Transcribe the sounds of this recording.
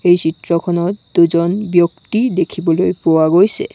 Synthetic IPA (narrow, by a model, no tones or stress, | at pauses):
ejt͡ɕit̪ɾɔkʰɔnɔt̪d̪ud͡ʑɔnbjokt̪id̪ekʰibɔlojpowaɡojsʰḛ